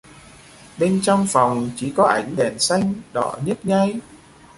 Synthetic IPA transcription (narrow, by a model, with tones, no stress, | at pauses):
ɓe˧nt͡ɕɔ˧wŋ͡mfa˨˩wŋ͡mt͡ɕi˧˩kɔ˨˦ʔa˨˧˩jŋ̟ɗɛ˨˩nsa˧jŋ̟ɗɔ̰˧˩ɲə˦˥t̚ɲa˧j